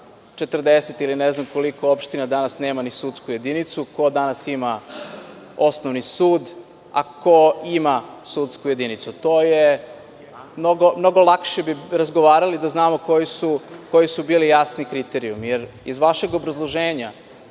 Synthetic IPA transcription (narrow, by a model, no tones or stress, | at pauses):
t͡ʃet̪r̩d̪eset̪ilineznamko̞liko̞opʃt̪inad̪anasneːmanisut̪skuje̞d̪init̪suko̞d̪anasima | o̞snoʋnisuːd̪ | a̰koimasut̪skuje̞d̪init̪sut̪oːje | mnoɡomno̞ɡolˠakʃebiɾazɡoʋaːɾalid̪aznaːmoko̞jisukojisubiːlijasnikɾit̪eɾiumjeɾizʋaʃeɡobɾazlˠoʒeːɲa